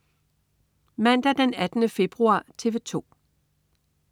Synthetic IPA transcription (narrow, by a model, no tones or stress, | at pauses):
mæn̰d̥æd̥enæd̥ənəfe̝b̥ʁuɑ̰̈ːt͡sʰe̝ʋe̝t͡sʰo̝̰ː